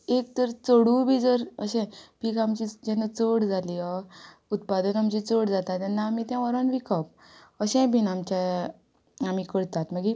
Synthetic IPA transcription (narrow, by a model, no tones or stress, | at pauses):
ek̚t̪əɾt͡səɽubʱid͡zəɾə̰ɕɛ̃piːkamt͡ɕid͡ʑɛnət͡soɽd͡zʱaliɔ | ut̪̚pad̪ənamt͡ɕit͡soɽd͡zat̪at̪ːɛnːaːmit̪jãʋəɾanʋikʰəp | əɕɛ̃bʱinamt͡ɕa | amikəɽt̪at̪məɡi